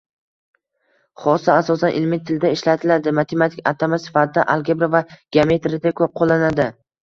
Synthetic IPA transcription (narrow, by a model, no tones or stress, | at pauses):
χɒsaasɒsanʔɪ̰lmit̪ʰɪld̪aɪʃlat̪ʰɪlad̪ɪmat̪ʰe̞mat̪ʰɪkʲat̪ʰamasɪ̥fat̪ʰɪd̪aʔalˠɡʲebɾavaɡ̥ʲɪame̞t̪ɾɪd̪akʰʲɵp̚qʰolˠːanad̪ɪ